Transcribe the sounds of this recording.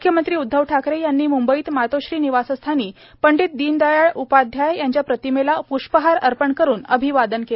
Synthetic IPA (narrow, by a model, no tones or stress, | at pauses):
mukʰjəmənt̪ɾiːud̪ʱːəʋʈʰakɾejanːiːmumbəiːt̪mat̪oɕɾiːniʋasəst̪ʰaniː | pəɳɖit̪̚d̪iːnd̪ajaɭupad̪ʱjajjaɲt͡ɕjapɾət̪imelapuʂpəɦaɾəɾpəɳkəɾuːnəbʱiʋad̪ənkele